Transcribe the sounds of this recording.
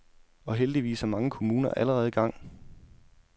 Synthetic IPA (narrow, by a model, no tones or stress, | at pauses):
ɒ̽ɦeld̥iʋḭːshɑmɑ̈ŋəkʰo̝muːnɐʔæləʁɛːð̞̩ˠɡ̥ɑ̈ŋ̰